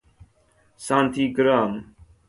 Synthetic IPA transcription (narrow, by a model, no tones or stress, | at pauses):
sãːnt̪ʰiːkəɾaːm